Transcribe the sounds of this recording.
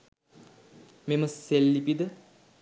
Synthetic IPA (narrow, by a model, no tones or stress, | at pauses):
meməsːelːipid̪ə